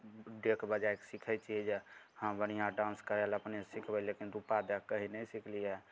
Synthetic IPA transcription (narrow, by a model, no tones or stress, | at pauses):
ɖekʰbəd͡ʒaeksɪkʰɛt͡ʃʰid͡ʒe | hãbənijãɖãnskəɾləpnesikʰbɛlekinɾupad̪ɛkəɦinəisikʰliɛ